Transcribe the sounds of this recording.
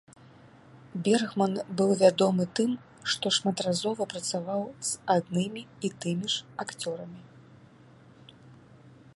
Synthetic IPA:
bʲɛrɣmɐnbɨwvʲad̪ɔmɨt̪ɨm | ʂt̪ɔʂmɐt̪razɔvɐpɾɐt̪savawz̥ad̪nɨmʲiːt̪ɨmʲiʂakt͡sʲɔɾɐmʲi

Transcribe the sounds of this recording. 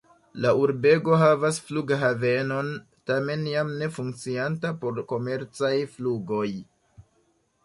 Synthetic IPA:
lauɾbe̞ɡo̞ɦavasfluɡɦave̞no̞n | tame̞njamne̞fuŋk̚t͡siantapo̞ɾko̞me̞ɾt͡sajfluɡo̞j

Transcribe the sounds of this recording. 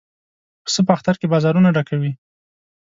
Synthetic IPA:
səp̬əaxt̪aɾkebɑzɑɾunaɖakawi

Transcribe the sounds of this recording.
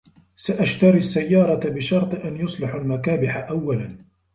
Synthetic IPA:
saʔaʃt̪ɑɾiasːajːɑːɾˤɑt̪bɪʃɑɾˤt̪ˤɨʔanjʊsˤlɪħalmakaːbɪħaʔawːalan

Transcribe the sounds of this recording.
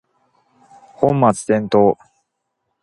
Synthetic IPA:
hõ̞mːat͡sɨ̥t̪ẽ̞nt̪o̞ː

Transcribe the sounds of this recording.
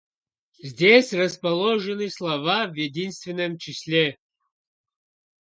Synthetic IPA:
zʲdʲesʲrəspɐlˠoʐɨnɨslˠɐvavjedʲinst̪vʲɪnːəmt͡ʃɪsʲlʲe

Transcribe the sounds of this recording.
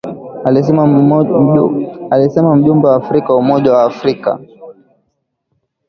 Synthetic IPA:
alisɛmam̩ʄumbɛwaːfɾikawumɔʄawaːfɾika̰

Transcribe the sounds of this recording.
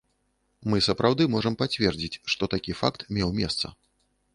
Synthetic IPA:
mɨsɐpɾʔawd̪ɨmɔʐɐmpat͡sʲvʲɛrd͡zʲit͡sʲʂt̪ɔt̪akʲifakt̪mʲɛwmʲɛst̪sɐ̰

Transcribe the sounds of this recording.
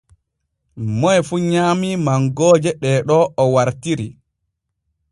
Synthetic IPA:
mɔjfuɲaːmimaŋɡɔːd͡ʒɛɗɛɗɔɔwaɾtiɾi

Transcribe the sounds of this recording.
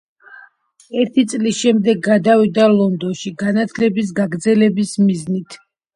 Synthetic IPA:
ɛɾt̪ʰit̪sʼlisʃɛmd̪ɛɡːad̪avid̪alˠɔnd̪ɔnʃiɡanat̪ʰlɛbis̬ɡaɡɾd̪zɛlɛbismiznit̪ʰ

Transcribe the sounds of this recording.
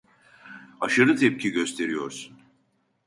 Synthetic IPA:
aʃaɾɯt̪ʰɛp̚cʰiɟø̞st̪ʰe̞ɾijo̞ɾsun

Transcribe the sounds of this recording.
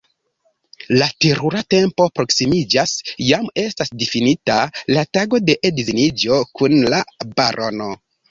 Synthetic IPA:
lateɾuɾate̞mpo̞pɾo̞ksimid͡ʒasjame̞stasdifinitalataɡo̞de̞ʔedizinid͡ʒo̞kunlabaɾʔo̞no

